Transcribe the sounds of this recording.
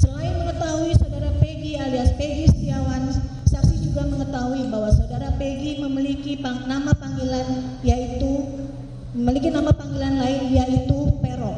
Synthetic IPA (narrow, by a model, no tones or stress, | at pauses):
səlaɪnməŋət̪aɦuisawdaɾapeɡialiaspeɡist̪iawan | sasid͡ʒuɡaməŋət̪aɦuibaɦwasawdaɾapeɡiməmilikipanamapaŋɡilan | jait̪u | əməlik̬inamapaŋɡilanlaɪnjaʔit̪upeɾɔk